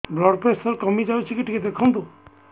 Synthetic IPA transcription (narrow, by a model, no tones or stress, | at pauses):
blɔɖpɾesɔɾkɔmid͡ʒawt͡ʃʰikiʈʰiked̪ekʰɔnt̪u